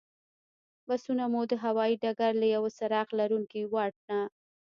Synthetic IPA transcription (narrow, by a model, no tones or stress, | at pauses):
basunamud̪əɦawɑjiɖaɡaɾlajawsaɾɑqlaɾuŋkiwɑʈ̚na